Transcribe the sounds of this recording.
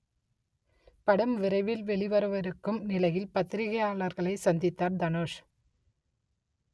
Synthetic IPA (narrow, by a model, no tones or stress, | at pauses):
pɐɽɐmʋɪɾɐɪʋɪlʋɛɭɪʋɐɾɐʋɐɾɯkːɯmnɪlɐjɪlpɐt̪ːɪɾɪɣɐjaːɭɐɾɣɐɭɐɪsɐnd̪ɪt̪ːaːɾd̪ɐnoːʂ